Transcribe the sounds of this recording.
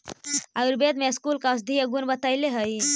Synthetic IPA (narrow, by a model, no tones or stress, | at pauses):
auɾbed̪meskuːlkas̬d̪ʱiəɡunbət̪ajleɦəj